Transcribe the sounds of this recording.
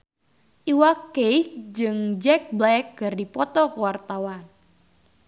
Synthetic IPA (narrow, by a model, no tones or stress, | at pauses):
ʔiwakejkd͡ʒɨŋd͡ʒɛk̚blɛkːɨrdipɔt̪ɔkəwart̪awan